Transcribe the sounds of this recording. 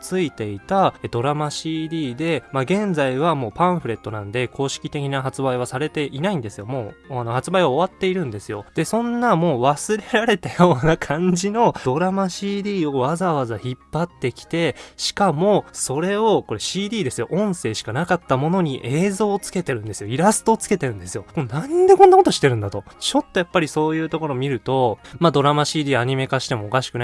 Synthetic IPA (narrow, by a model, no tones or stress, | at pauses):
t͡sɨit̪e̞it̪ad̪o̞ɾamaɕiːd̪ʲiːd̪e̞maɡẽ̞nd͡zaiβamo̞ːpãɰ̃ɸɯ̟ɾe̞t̪ːo̞nãnd̪e̞kʰo̞ːɕi̥kʲit̪e̞kʲinaɦat͡sɨbaiβ̞asaɾe̞t̪e̞ʔinaĩnd̪e̞sɨjo̞mo̞ːano̞hat͡sɨbaiβao̞βat̪ːe̞iɾɯ̟̃nd̪e̞sɨjo̞̰d̪̥e̞sõ̞nːamo̞ːβasɨɾe̞ɾaɾe̞t̪ajo̞ːnakʰãɲ̟d͡ʑino̞d̪̥o̞ɾamaɕiːd̪ʲiːo̞βazaβazaçipːat̪ːe̞kʲi̥t̪e̞ɕi̥kamo̞so̞ɾe̞o̞ko̞ɾe̞ɕiːd̪ʲiːd̪e̞sɨjoʔõ̞ɰ̃se̞ːɕi̥kanakat̪ːamo̞no̞ɲ̟iʔe̞ːzo̞ːt͡sɨ̥ke̞t̪e̞ɾɯ̟̃nd̪e̞sɨjoiɾasɨ̥t̪o̞ːt͡sɨ̥ke̞t̪e̞ɾɯ̟̃nd̪e̞sɨjo̞monãnd̪e̞kõnːako̞t̪oɕi̥t̪ːe̞ɾɯ̟̃nd̪at̪o̞t͡ɕo̞t̪ːo̞japːaɾʲiso̞ːjɯ̟ːt̪o̞ko̞ɾo̞ːmʲiɾɯ̟t̪o̞mad̪o̞ɾamaɕiːd̪ʲiːaɲ̟ime̞kaɕi̥t̪e̞mo̞ːkaɕi̥kɯ̟na